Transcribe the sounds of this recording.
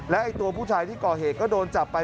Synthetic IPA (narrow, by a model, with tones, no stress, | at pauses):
lɛ˦˥ʔa˧jt̪u˧ɐpʰuː˥˩t͡ɕʰaː˧jt̪ʰiː˥˩kɔː˨˩ɦeː˨˩t̪̚kɔː˥˩doː˧nt͡ɕa˨˩pːa˧